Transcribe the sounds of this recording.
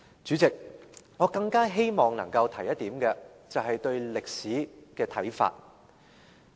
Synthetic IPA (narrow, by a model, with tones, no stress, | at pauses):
t͡ʃyː˨˥t͡sɪ˨k̚ŋɔː˨˧kɐ˧ŋkaː˥ɦe˥jmɔː˨˩ŋnɐ̰˨˩ŋkɐ˧wt̪ʰɐ˨˩jɐ˥t̚t̪iː˨˥mkɛ˧ | t͡sɐ˨wɦɐ˨jt̪ɵ˧ɥlɪ˨k̚siː˨˥kɛː˧t̪ʰɐ˨˥jfa̰ː˧t̚